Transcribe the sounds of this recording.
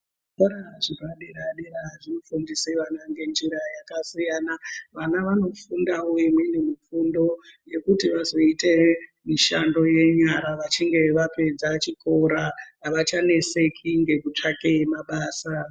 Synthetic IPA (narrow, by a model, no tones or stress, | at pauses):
koɾaʐiraɗeɾaɗeɾaʐinofundiseʋanaŋɡe̞nd͡ʒiɾajakasijaːnaʋanaʋano̞fundawo̞imwenemifundo̞je̞kutiʋazo̞ite̞miʃando̞je̞ɲaɾaʋat͡ʃiŋɡe̞ʋape̞d͡zat͡ʃikʰo̞ɾaʋat͡ʃane̞se̞kʰiŋɡe̞kut͡ʂake̞maɓaːsa